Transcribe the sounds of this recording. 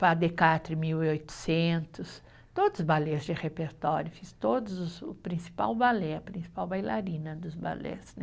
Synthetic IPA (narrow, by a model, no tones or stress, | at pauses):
pad̪ekat̪ɾɪmiwiojt̪ʊ̥sẽnt̪ʊs | t̪od̪zbalezd͡ʒɪhepeɾt̪ɔɾjʊfist̪od̪ʊzʊsʊpɾĩsi̥pa̰wbalɛɐpɾĩsi̥pawbajlaɾĩnɐd̪ʊzba̰lɛ̰snɛ